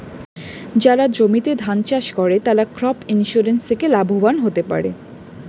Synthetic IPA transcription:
d͡ʑaɾad͡ʑomit̪ed̪ʱant͡ɕaʃkɔɾet̪aɾakɾɔpʰinʃuɾenst̪ʰekelabʱobanɦot̪epa̰ɾḛ

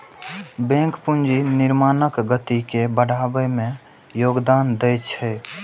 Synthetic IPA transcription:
bẽŋkpund͡ʒinɪɾmaːnəkɡət̪ikebəɽ̤ʱaːbəmẽ | joːɡd̪aːnd̪ɛjt͡ʃʰɛ

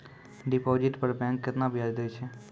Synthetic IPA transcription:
ɖipod͡ʒɪʈpəɾbɛ̃ŋkːət̪nabjad͡ʒd̪əjt͡ʃʰe

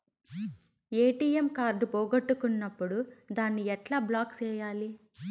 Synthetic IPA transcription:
eːʈiːemkaːɾɖpoːɡɐʈːukunːɐpːuɽud̪aːnːiɛʈlaːblaːkt͡ʃɛːjaːli

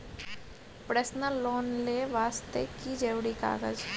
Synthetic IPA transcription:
pɾeːsnəlːoːnleːʋaːst̪ḛkid͡ʒeːʋɽika̰ːɣə̰z

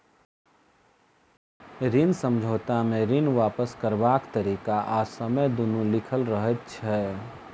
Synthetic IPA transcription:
ɾinsə̃md͡ʒʱoːt̪amẽɾinʋaːpəskəɾbaːkt̪əɾiːkaʔaːsəməjd̪ʊnulɪkʰəlɾəɦət̪t͡ʃʰɛː

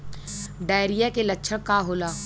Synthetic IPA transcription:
ɖaːɪɾijakelɐkːʃʰəɽkaɦoːlaː

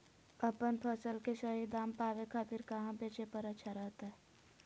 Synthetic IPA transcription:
əpənpʰəsəlkeʃəɦid̪aːmpaːʋekʰaːt̪ɪɾkəɦãpeːt͡ʃepəɾətːʃʰaɾəɦt̪aɦɛː

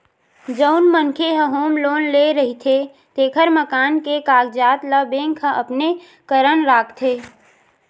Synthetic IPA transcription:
d͡ʒəʊnməŋkʰeɦəɦoːmloːnleɾəɦit̪ʰe | t̪eːkʰəɾməkaːnkekaːɡd͡ʒaːt̪ləbẽːŋkʰə̃ʔəpne | kəɾənɾaːkʰt̪ʰeː

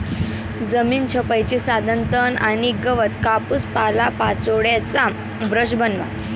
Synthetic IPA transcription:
d͡zəmiːnt͡ɕʰəpajt͡ɕisad̪ʱənt̪ənañiɡəʋət̪kapuspalapat͡soɽjat͡sa | bɾəɕbənʋa̰

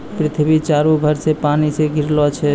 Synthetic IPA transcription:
pɾit̪ʰbit͡ʃaɾubʱəɾsepaniseɡʱiɾlɔt͡ʃʰɛ

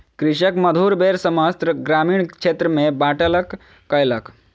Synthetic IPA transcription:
kɾiʃəkməd̪ʱuɾbeɾsəməst̪ɾəɡɾamiːɽ̃t͡ʃʰet̪ɾəmebaʈələkː | əjlək

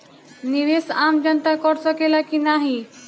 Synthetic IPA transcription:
niʋesamd͡ʒənt̪akɔɽsəkelakinaɦi

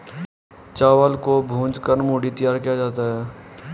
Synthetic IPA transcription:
t͡ʃaːwəlkobʱũːd͡ʒkəɾmoːɖit̪ɪjaːɾkijad͡ʒaːt̪aɦɛː

